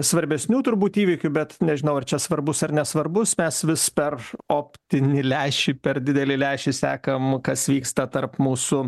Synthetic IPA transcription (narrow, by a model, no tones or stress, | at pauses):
sʋɐɾʲbʲɛsʲnʲuːt̪ʊɾbuːt̪iːʋʲikʲʊbʲɛt̪nʲɛʒʲɪnɐʊɐrt͡ʃʲɛsʋɐrbʊsɐrnʲɛsʋɐrbʊsmʲɛsʋʲɪspʲɛroːpʲt̪ʲɪnʲɪlʲæːʃʲɪpʲɛrdʲɪd̪ʲɛlʲɪlʲæɪʃʲɪsʲæːkɐmkɐsʋʲiːkst̪ɐt̪ɐrpmuːsʊ